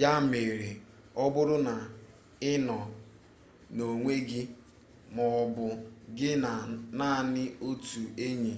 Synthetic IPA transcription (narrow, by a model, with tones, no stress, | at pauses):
ja˦˨me˨ɾe˨ | ɔ˦bʊ˦ɾʊ˦na˨ | ɪ˦nɔ˨ | no˨ŋʷe˦ɡɪ˦ | mɔ˨ɔ˨bʊ˨ɡɪ˦na˨na˦˨nɪ˦o˦tu˨e˦ɲi˨